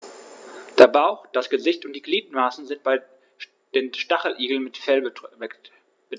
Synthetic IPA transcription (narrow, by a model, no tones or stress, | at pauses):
d̥eːɐbaʊxd̥asɡ̥əzɪçtʊnt̚d̥iːɡliːtmaːsn̩zɪnt̚b̥aɪ | d̥eːnʃtaχl̩ʔiːɡl̩nmɪtfɛl | b̥ə